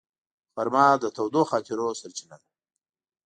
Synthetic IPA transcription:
faɾmɑːd̪ət̪ʰawd̪oxɑːt̪ɪɾosaɾt͡ʃinan

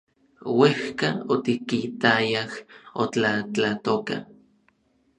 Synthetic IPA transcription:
wehkaot̪ikit̪ajahot͡ɬat͡ɬat̪oka̰

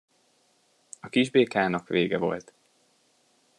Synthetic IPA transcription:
ɒkiʒbeːkaːnɒkʋeːɡɛvo̞̰lt̪

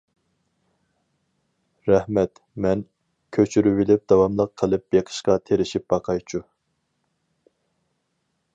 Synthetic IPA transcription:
ɾɛhmɛt̪ | mɛn | kʲʰøt͡ʃʰyɾywilɪp̚d̪ɑwɑmlˠəqʰːəlˠɨp̚beqʰə̥ʃqɑt̪ʰeɾɪʃip̚bɑqʰɑjt͡ʃʰu

